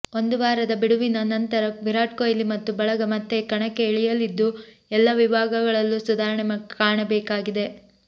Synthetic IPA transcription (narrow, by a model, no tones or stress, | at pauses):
o̞nd̪uʋaːɾɐd̪ɐbiɽuʋinɐnɐnt̪ɐɾɐʋiɾaːʈ̚koːjlimɐt̪ːubɐɭɐɡɐmɐt̪ʰːekɐɳɐkːeːɭijɐlːid̪ːu | ɛlːɐʋibaːɡɐɡɐɭɐlːusud̪aːɾɐɳɛmɐkkaːɳɐbɛːkaːɡid̪e̞